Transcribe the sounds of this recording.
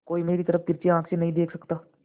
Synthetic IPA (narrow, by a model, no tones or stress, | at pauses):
koːimeːɾit̪əɾəfʰt̪ɪɾt͡ʃeãːksenɐɦĩd̪eːkʰsɐkt̪aː